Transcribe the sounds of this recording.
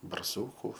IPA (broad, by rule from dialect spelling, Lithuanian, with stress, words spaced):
bɐrˈsuːkʊ